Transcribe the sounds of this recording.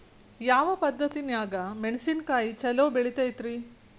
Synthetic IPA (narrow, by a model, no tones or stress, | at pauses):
jaːʋɐpɐd̪ʱːɐt̪injaːɡɐmeɳsinkaːjit͡ʃɛloːbeɭit̪ejt̪ɾi